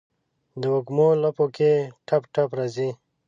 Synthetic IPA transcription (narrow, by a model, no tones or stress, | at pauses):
d̪əwokmolɐpokeʈʰɐpʈʰapɾazi